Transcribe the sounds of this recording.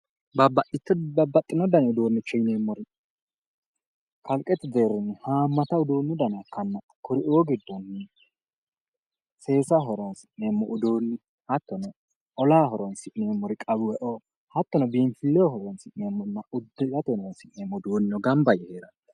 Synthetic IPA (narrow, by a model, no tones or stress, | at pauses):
bɐbɐʔɪt̪ːbɐbɐt̪ʼːɪnɔd̪ɐnʊd̪oːnːʊt͡ʃːɛjneːmːɔɾɪ | kʰɐlkʼːɛt̪ːɪd̪eːɾːɪnɪhaːmːɐt̪ɐwd̪oːnːʊd̪ɐnɐkːɐnːɐ | kʊɾɪʔoːɡɪd̪ːɔnːɪ | se̞ːsaɦɔɾɔnsɪneːmːɔʔʊd̪oːnːɪ | hɐt̪ːɔnɛ | ʔɔlaːɦɔɾɔnsɪneːmːɔɾɪkʼɐbɪwɛʔoː | hɐt̪ːɔnɛbiːnfɪlːɛɔhɔɾɔnsɪneːmːɔnːɐʊd̪ːɪzɐt̪ɔnɔnsɪʔneːmːɔd̪oːnɪɔɡɐmbɐjɛheːɾɐt̪ː